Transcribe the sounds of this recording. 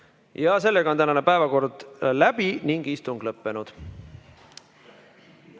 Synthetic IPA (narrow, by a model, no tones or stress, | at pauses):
jɑse̞lːeɡɑot̪ænɑnepæevɑko̞rd̪̥læb̥iniŋɡ̥ist̪uŋɡ̥lɤpːe̞nud̪̥